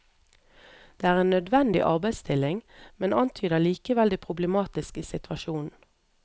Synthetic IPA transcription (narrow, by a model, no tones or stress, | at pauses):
d̪̥eːæːʁeːnœd̪ʋɛnd̪ɪ̰ʔɑ̰ʁbæɪst̪ʰɪlɪŋmɛnɑnt̪ʰyːd̪əliːkəʋɛld̪æɪpʰʁʊbləmɑːt̪ɪskəsɪt̪ʋɑʃuːnn̩